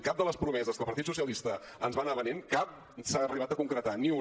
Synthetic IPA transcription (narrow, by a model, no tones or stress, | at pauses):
kap̚d̪ələspɾumɛzəskəlˠpəɐɾt̪it̪susiəlist̪ə | ənzβanaβəneŋkap̚ | saəriβat̪əkuŋkɾət̪aniu